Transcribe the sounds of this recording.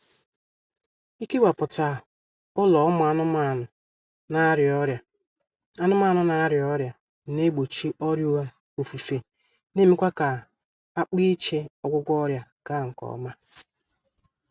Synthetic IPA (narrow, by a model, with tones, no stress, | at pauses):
i˦ke˦wa˨pʊ˨ta˨ | pɔ˦lɔ˨ɔ˦mʊ˨a˦nʊ˦ma˦˨nʊ˨ | na˦ɾjɔ˦ɾja˨ | a˦nʊ˦ma˦˨nʊ˨na˨˦ɾjɔ˦ɾja˨ | ne˦ɡ͡bo˨t͡ʃi˦ʔɔ˦ɾju˦a˦ | o˨fu˨fe˨ | ne˦me˦kʷa˦ka˨ | a˦k͡pi˦t͡ʃe˦ɔ˦ɡʷʊ˦ɡʷɔ˦ɾja˦ka˦˨ŋ̩˨kɔ̰˨˦ma˦